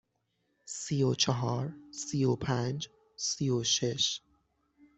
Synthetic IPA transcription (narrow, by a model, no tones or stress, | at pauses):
siːot͡ʃʰeɦɒːɾsiːopʰænd͡ʒ | sijoʃeʃ